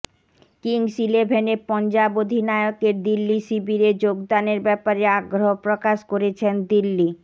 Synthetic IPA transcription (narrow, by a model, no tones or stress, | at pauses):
kiŋsilebʱenepɔnd͡ʑabod̪ʱinaeokeɾd̪ilːisibiɾed͡ʑoɡd̪aneɾbɛpaɾeaɡɾopɾokaʃkoɾet͡ɕʰend̪ilːi